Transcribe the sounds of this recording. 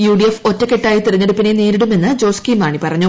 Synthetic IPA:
juːɖiefo̞tːɐkːeʈːaːjit̪irɐɲːeɽupːineniːɾiɽume̞nːɨd͡ʑo̞ːskiːmaːɳipɐrɐɲːu

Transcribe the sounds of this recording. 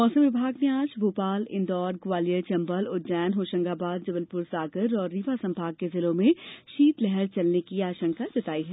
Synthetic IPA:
mɔːsə̃mʋɪbʱaːɡneaːd͡ʒbʱuːpaːlɪ̰̃nd̪ɔːɾɡʋaːlijət͡ʃɐ̃mbəlʊt̪d͡ʒɛːnɦoːʃə̃ŋɡaːbaːd̪̚d͡ʒɐbəlpʊɾsaːɡəɾɔːɾːiʋasɐ̃mbʱaːɡ̚kezɪlõmẽʃiːt̪lɛɦɛɾt͡ʃɐlnekiaːʃə̃ŋkad͡ʒɐt̪aːiɦɛː

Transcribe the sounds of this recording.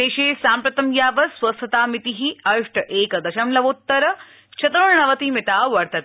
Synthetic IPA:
t̪eːʃeːsaːmpɾɐt̪ɐmjaːʋɐsʋɐst̪ʰɐt̪aːmit̪iɦiɐʂʈʰɐʔeːkɐd̪ɐʃɐmlɐʋut̪ːɐɾɐ | t͡ʃʰɐt̪ɐuɳɳɐʋɐt̪imit̪aːʋɐɾt̪ɐt̪

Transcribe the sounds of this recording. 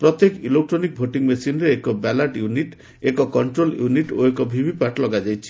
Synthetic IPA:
pɾɔt̪ekilek̚ʈɾonik̚bʱoʈiŋmesinɾeekɔbɛlaʈjuniʈ | ekɔkɔɳʈɾoljuniʈoekɔbʱibʱipaʈlɔɡad͡ʒajt͡ʃʰi̥

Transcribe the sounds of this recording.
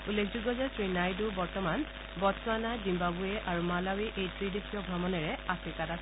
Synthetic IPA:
ulːekʰzuɡɔzɛsɹinajdubɔɹtɔman | bɔtswanazimbabuɛʔaɹumalawiʔejtɹidekʰiɔɡʱɹɔmɔnɛɹɛafʰɹikatas

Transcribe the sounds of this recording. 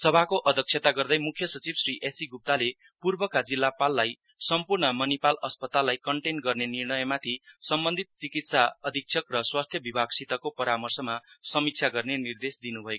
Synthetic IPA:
sʌbʱakoʔʌd̪ʱʌk̚sʰet̪aɡʌrd̪ʌjmukʰjʌsʌt͡sibsriʔesiɡup̚t̪ale | purbʌkad͡zilːapalːaj | sʌmpurɳʌmʌnipalʌspʌt̪alːajkʌɳʈenɡʌrnenirɳʌjʌmat̪ʰisʌmbʌnd̪ʱit̪̚t͡sikit̪saʌd̪ʱik̚t͡sʰjʌkrʌswast̪ʰjʌbibʱaɡsit̪ʌkopʌɾamʌrsʌmasʌmik̚t͡sʰjaɡʌrnenird̪esd̪inubʱʌek

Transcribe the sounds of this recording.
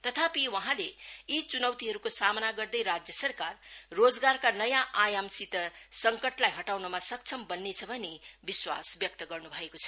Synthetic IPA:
t̪ʌt̪ʰapiwʌɦãleit͡sunʌwt̪iɦʌɾukosamʌnaɡʌrd̪ʌjɾad͡zjʌsʌrkarːod͡zɡarkanʌjãʔajamsit̪ʌsʌŋkʌʈlajɦʌʈawnʌmasʌk̚t͡sʰʌmbʌnːet͡sʰʌbʱʌnebiswa̰sbjʌk̚t̪ʌɡʌrnubʱʌekot͡sʰʌ̥

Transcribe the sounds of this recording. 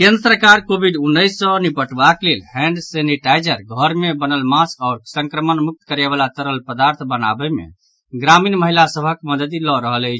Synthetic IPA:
kend̪ɾəsəkaɾkobʱiɖunːəɪsːə̃nipəʈbaklelhɛ̃ɳɖseniʈajd͡ʒəɾɡʱəɾmebənəlmaskaʊɾsə̃ŋkɾəmənmuk̚t̪kəɾɛbalat̪əɾəlpəd̪aɾt̪ʰbəna̰bəmḛ | ɡɾaminməɦilasəbʱəkməd̪əd̪ilɔɾəɦələɪt͡ʃʰ

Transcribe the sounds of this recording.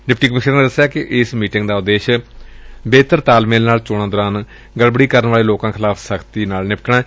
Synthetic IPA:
ɖɪpʈiːkəmɪʃəɾneːd̪əsːjaːkɪʔɪsmiːʈɪ̃ŋɡd̪aːʊd̪eːʃ | beːt̪əɾt̪aːlmeːlnaːlt͡ʃoːɽ̃ãːd̪ɔːɾãːn | ɡəlbəɽiːkəɾənʋaːleːloːkãːkʰɪlaːpʰsəkʰt̪iːnaːlnɪpʈɳaː

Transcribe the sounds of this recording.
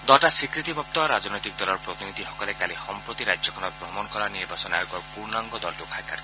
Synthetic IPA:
d̪ɔʈasikɾit̪ibʱɔp̚t̪ɔɾad͡ʒɔnɔjt̪ik̚d̪ɔlɔɾpɾɔt̪inid̪ʱiɦɔkɔlekalihɔmpɾot̪iɾad͡ʒjɔkʰɔnɔbɾɔmɔnɔkɔɾaniɾbʱasɔnajoɡɔɾpuɾnaŋɡɔd̪ɔlʈukʰakaɾ

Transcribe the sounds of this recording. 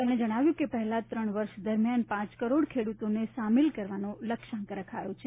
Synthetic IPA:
t̪əmɽ̃ed͡ʒəɽ̃aʋjũkepəɦɛlat̪ɾəɳʋəɾʃd̪əɾmjanpãt͡ʃkəɾoɽkʰeɽut̪oneʃamɪlkəɾʋanoləkʃə̃ŋkɾəkʰajot͡ʃʰe

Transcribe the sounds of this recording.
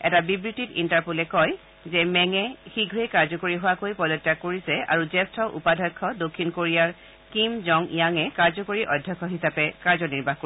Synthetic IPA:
ɛ̰tabibɹititintaɹpulɛkɔj | zɛmɛŋɛxiɡʱɹekaɹzɔkoɹiɦowakojpɔlɔtːakoɹisɛa̰ɹuzɛstʰɔʔṵpadʱɔjkʰːɔdokʰːinkoɹijaɹ | kimzɔŋḭjaŋɛkaɹzɔkoɹiʔɔdʱjɔkʰːɔɦisapɛkaɹzɔniɹbʱaxko

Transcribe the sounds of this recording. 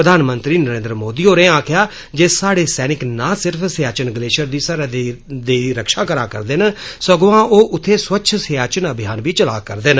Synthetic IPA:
ɾəd̪ʱaːnmə̃nt̪ɾiːnəɾẽːnd̪ɾəmoːd̪iːoːɾẽːãːkʰjaː | d͡ʒeːsaːɽeːsɛːnɪknaːsɪɾpʰsɪjaːt͡ʃənɡəleːʃəɾd̪iːsaːɾad̪eːɾəkʃãːkəɾaːkəɾd̪eːnsəɡoãːʔoːʔʊt̪ʰːeːsʋətːʃʰsɪjaːt͡ʃənəbʱɪjaːnbiːt͡ʃəlaːkəɾd̪eːn

